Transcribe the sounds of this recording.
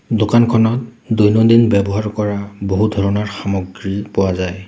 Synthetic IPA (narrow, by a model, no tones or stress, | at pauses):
dokankʰɔnɔt̚dujnɔdinbɛbɔɦaɹkɔɹaboɦudʱɔɹɔnaɹxamɔɡɹipɔwazaj